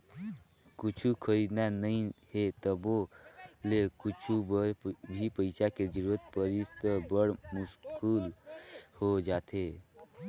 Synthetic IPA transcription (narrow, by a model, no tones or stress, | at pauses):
kʊt͡ʃʰukʰəɾiːd̪nanəĩhet̪əbolekʊt͡ʃʰubəɾbʱipəɪt͡ʃaked͡ʒəɾuɾət̪̚pəɾist̪bəɽmʊskuːlhod͡ʒaːt̪e